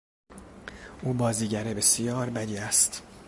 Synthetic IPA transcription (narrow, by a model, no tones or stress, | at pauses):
ʔuːbɒːziːɟæɾebe̞sijɒːɾbæd̪iːæst̪